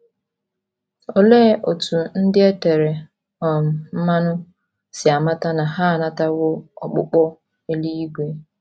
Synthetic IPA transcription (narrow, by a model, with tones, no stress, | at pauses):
o˨leː˦ʔo˨tu˨n̩˦dɪ˦e˦te˨ɾe˨ | ɔ˨m̩˨m̩˦ma˦nʊ˦ | sɪ˨a˨ma˦ta˦na˨ɦa˦˨na˦ta˦wʊ˦ɔ̰˨k͡pʊ̰˦k͡pɔ˦ | e˦li˦i˦ɡʷe˦